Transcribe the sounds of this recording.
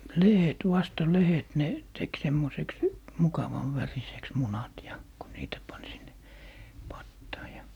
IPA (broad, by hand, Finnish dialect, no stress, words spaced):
lehet ʋɑstɑ lehet ne tek semːoseks mukɑʋɑn ʋæriseks munɑt jɑ ko niːtæ pɑn sinːe pɑtːɑː jɑ